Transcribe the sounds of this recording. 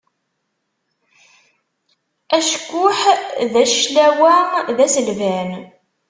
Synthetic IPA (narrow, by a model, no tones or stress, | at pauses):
æʃkːʊħðæʃlæwæðæsəlvæn